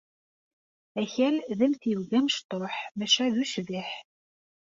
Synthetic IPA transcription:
æçælðəmθjəvɡæməʃt̪ˤoħmæʃæðuʃviħ

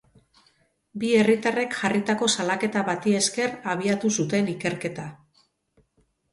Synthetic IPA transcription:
bie̞rit̪are̞kʝarit̪ako̞salake̞t̪aβat̪ie̞ske̞raβ̞iat̪usut̪e̞nike̞ɾke̞t̪a

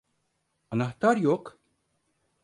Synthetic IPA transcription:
ɐnɐħt̪aːɾjɔːk

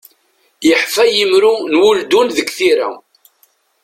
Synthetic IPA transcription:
jəħfæjəmɾunwuld̪unðəɡθiɾæ̰

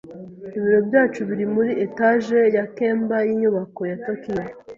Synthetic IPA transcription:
iβiɾo̞bɟaːt͡ʃuβiɾimuɾiʔetaʒejakeːmbajiɲuβako̞jatokija

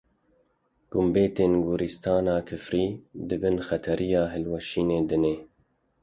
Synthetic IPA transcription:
ɡ̥ʊmbeːt̪eːnɡuɾist̪ʰɑːnɑːkʰɨfɾiːd̪ɨbɨnxɛt̪ʰɛɾʔijɑːɦɪlwɛʃiːneːd̪ɨneː

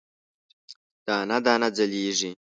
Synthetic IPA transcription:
d̪̥aːnad̪aːnad͡zɐliːʐi

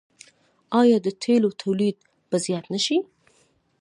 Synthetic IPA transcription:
ɑjɑd̪ət̪ʰelot̪ʰawlid̪̚ | b̥azjɑt̪naʃi

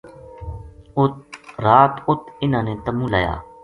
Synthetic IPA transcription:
ʊɾaːt̪ʊt̪ʰɪnãːneːt̪əmũːla̰ːja̰ː

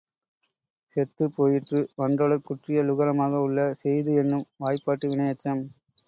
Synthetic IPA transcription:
sɛt̪ːɯpoːjɪʈrɯʋɐndɐɭɐɾkʊʈrɪjɐlʊɣɐɾɐmaːɣɐʊɭːɐsɛjðɯɛnːɯmʋaːjpːaːʈːɯʋɪɳɐjɐt͡ʃːɐm

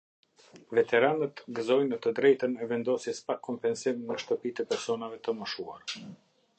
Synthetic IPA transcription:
vɛt̪ɛɾanət̪ɡəzɔjnət̪əd̪ɾɛjt̪ənɛvɛnd̪ɔsjɛspakʰɔmpɛnsimnəʃt̪əpit̪ɛpɛɾsɔnavɛt̪əməʃua̰ɾa

